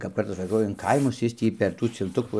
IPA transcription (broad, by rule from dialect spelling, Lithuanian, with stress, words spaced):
kɐp ˈkɐrtɐs sɐˈkɐʊ ɪn ˈkɐɪmʊs ˈjɪs tʲiː pʲɛr ˈtuː t͡sʲɪlˠˈtʊkuː